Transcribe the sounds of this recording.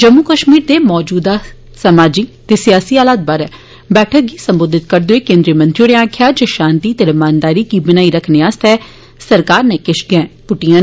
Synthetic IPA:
d͡ʒəmːuːkəʃmiːɾd̪eːmɔːd͡ʒuːd̪aː | səmaːd͡ʒiːt̪eːsɪjaːsiːaːlaːt̪̚bəɾɛ | bɛːʈʰək̚ɡiːsəmboːd̪ɪt̪̚kəɾd̪oeːkẽːnd̪ɾijəmə̃nt̪ɾioɽeaːkʰjaːd͡ʒoʃãːnt̪iːt̪ɪɾəmaːnd̪aːɾiːkiːbɪnaːiːɾəkʰneːaːst̪ɛː | səɾkaːɾneːkɪʃɡɛ̃ːpʊʈijãː

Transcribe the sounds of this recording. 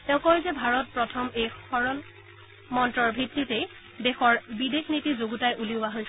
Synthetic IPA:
tɛʊ̃kɔɹizɛbʱaɹɔt̚pɹɔtʰɔmejxɔɹɔn | mɔntɹɔɹbʱitːite | dexɔɹbidexnitizoɡutajʔuliʊwaɦojs

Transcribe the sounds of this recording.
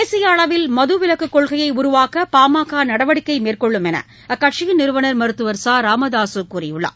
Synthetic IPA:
eːsɪjɐːɭɐʋɪlmɐðɯʋɪlɐkːɯkːɔɭɣɐjɐɪʊɾʊʋaːkɐpaːmaːkaːnɐɽɐʋɐɽɪkːɐɪmeːrkɔɭːɯmɛnɐ̰ | kɐʈ̚t͡ʃɪjɪnɪɾɯʋɐnɐɾmɐɾɯt̪ːɯʋɐɾsaːɾaːmɐðaːsɯkuːrɪjɯɭːɐ̰ː

